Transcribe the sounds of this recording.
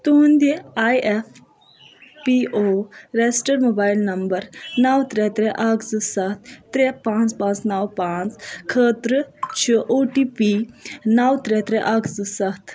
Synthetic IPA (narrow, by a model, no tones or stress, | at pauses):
t̪ond̪eajʔef | piʔoɾesʈəɾmobaːjlnɐmbəɾnawt̪ɾɛt̪ɾɛʔakʰd͡zɨsat̪̚ʰːɾɛpãːnt͡spãːt͡snawpaːt͡skʰəːt̪ɾət͡ʃʰəʔoʈipinawt̪ɾɛt̪ɾɛʔakd͡zɨsat̪ʰ